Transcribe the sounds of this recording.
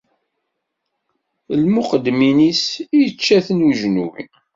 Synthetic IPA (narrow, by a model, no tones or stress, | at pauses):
lmuqəd̪minisijət͡ʃːæθənwiʒnuwḭ